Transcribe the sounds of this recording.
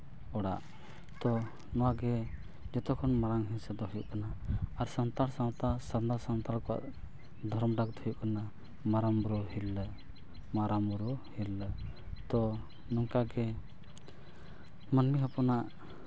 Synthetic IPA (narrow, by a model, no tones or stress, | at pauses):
ɔɽa̰ʔ | t̪ɔ | nɔwaɡɛ | d͡ʒɔt̪ɔkʰɔnmaɾaŋɦɛ̃nsɛd̪ɔɦɔjṵʔkanaːɾsant̪aɾsawt̪asaɾnd̪aɾsant̪aɾkɔwa̰ʔ | d̪ʱɔɾmɖakd̪ɔɦjuʔkana | maɾamɾɔɦil | maɾamɾɔhilː | t̪ɔ | nɔŋkaɡɛ | mənmiɦapɔnaʔ